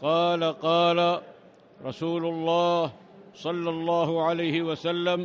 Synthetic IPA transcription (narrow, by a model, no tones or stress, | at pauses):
qɑːlaqɑːla | ɾˤɑsuːlʊlˤːɑːh | sˤɑlːɑlˤːɑːɦʊʕalajɦɪwasalːam